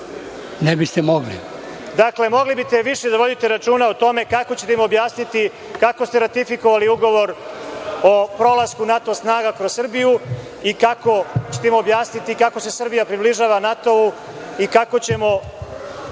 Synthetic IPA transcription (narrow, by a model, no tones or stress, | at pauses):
nebist̪emoɡlḭd̪akle̞mo̞ɡlibit̪e̞ʋiʃe̞d̪aʋo̞d̪it̪e̞ɾat͡ʃuːnaot̪o̞me̞kako̞t͡ɕe̞t̪emuobjaːsnit̪i | kako̞st̪e̞ɾat̪ifikoʋaliuɡo̞ʋo̞ɾ | opɾo̞laskunat̪o̞snaːɡakɾossr̩biju | ikako̞t͡ɕet̪eimuobjaːsnit̪ikako̞se̞sɨrbijapɾibliʒaːʋanat̪o̞u | ikako̞t͡ɕe̞mo̞